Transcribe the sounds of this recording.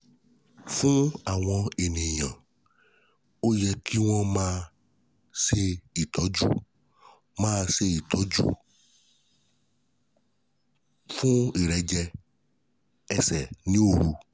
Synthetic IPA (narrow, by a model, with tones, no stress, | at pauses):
fũ˦a˨w̃ɔ̃˧e˨nẽ˨jã˨ | o˦jɛ˧kʰi˦w̃ɔ̃˦mãː˦ | se˧i˨t̪ɔ˨˦d͡ʒṵ˦ | mãː˦se˧i˨t̪ɔ˨˦d͡ʒṵ˦ | fũ˦i˨ɾɛ˨˦d͡ʒɛ˧ | ɛ˨sɛ˨nĩ˦o˦˨ɾu˧